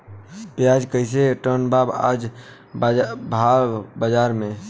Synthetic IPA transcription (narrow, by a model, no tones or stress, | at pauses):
pjad͡ʒkəɪseʈənbaba̰d͡ʒ | bʱabəd͡ʒaːɾmẽ